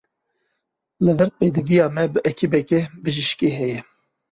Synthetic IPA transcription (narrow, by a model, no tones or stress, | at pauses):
lɨðɛɾ̚peːd̪ɨvijɑːmɛbɨʔɛkʰibɛkɛbɨʒɨʃkeːɦɛjɛ